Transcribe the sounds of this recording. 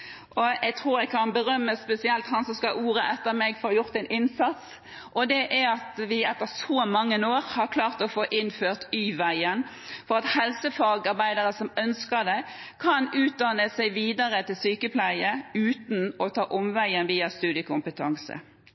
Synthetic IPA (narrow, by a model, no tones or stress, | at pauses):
ʔɔɛɪt̪ʰʁuːɾæɪkʰɑnbəʁœmːəspɛsɪɛlt̪hɑnsɔmskɑʔuːʁəʔɛt̪ːəɾmɛɡfɔɾjʊʁt̪æɪnɪnsɑt̪s | ʔɔd̪ɛʔæɑt̪ʋɪɛt̪ːəʁsɔːmɑŋːənoːʁhɑʁkʰlɑːʁt̪ɔfoːʔɪnføːʁt̪yːʋæɪən | fɔʁɑt̪hɛlsəfɑɡɑʁbæɪd̪əʁəsɔmœnskəd̪ɛkʰɑnʉːt̪̚d̪ɑnəsæɪʋiːd̪ɑʁət̪ʰɪlsyːkəpʰlæɪəʉːt̪nɔt̪ʰɑːʔɔmʋæɪənʋiːɑst̪ʉːd̪ɪəkʰʊmpət̪ʰɑŋsə̰